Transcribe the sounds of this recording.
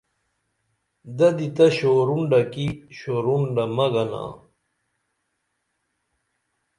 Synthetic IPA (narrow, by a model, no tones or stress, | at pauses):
d̪ɐd̪it̪ɐɕoːɾuɳɖɐkiɕoɾuɳɖɐmɐɡɐna̰ː